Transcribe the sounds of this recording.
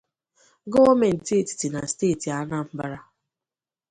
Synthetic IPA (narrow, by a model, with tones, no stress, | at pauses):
ɡo˦me˨n̩˨ti˦˨ti̥˨ti˨na˨ste˦˨ti˨a˦na˦m̩˦ba˦ɾa˦